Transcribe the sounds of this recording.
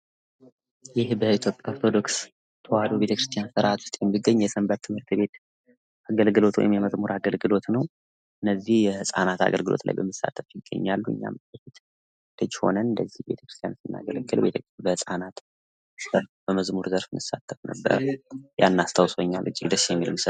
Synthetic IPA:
jɪhbəit̪ʰjo̞pʼjaoɾt̪ʰo̞d̪o̞ks | t̪ʰəwad̪ube̞t̪ʰəkɾɨst̪ʰijansəɾʔat̪ʰu̥st̪ʼjɛmːiɡːəɲːjɛsɨmbət̪ʰːɨmhɨɾt̪be̞t̪ | ʔaɡəlɡɨlo̞t̪wɔ̰jɪmjɛməzmuɾʔaɡəlɡɨlo̞t̪nəw | ʔɨnːəzːihjɛhɨsʼanat̪a̰ɡəlɡɨlo̞̰t̪lʔa̰jbəmːəsːa̰t̪ʰːəfjɪɡːə̰ɲːalːuɨ̰ɲːa̰məfit̪ | d̪̥əd͡ʒːho̞nənɨnd̪əzːihbe̞t̪ʰə̥kɾɨst̪ʰijansɨnːa̰ɡələɡɨlbet̪ʰəbəhɨsʼanat̪ | əɾfbəməzmuɾzəɾfɨnɨsːat̪ʰːəfnə̰bːə̰ɾjanːast̪ʰawsoɲːa̰lʔɨ̰t͡ʃʼːiɡd̪əsːjɛmːilɨmsə

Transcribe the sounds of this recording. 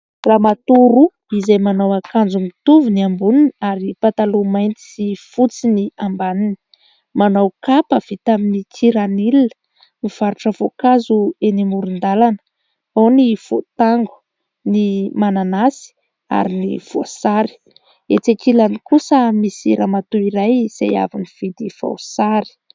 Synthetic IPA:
ramat̪uɾu | izejmanawakand͡zumit̪uvuniambuninaɾipat̪alumajnt̪i̥sifut͡siniambanini̥ | manawkapəv̥it̪aminikʰiɾanilinə̥ | miv̥aɾuʈ͡ʂəv̥okazuenimuɾund̪alanə̥ | awniv̥ot̪aŋɡu̥ | nimananasi̥ | a̰ɾinḭv̥oasaɾi̥ | et͡sekilanikusəmisiɾamat̪uiɾajz̥a̰ja̰viniv̥id̪iva̰wsaɾi̥

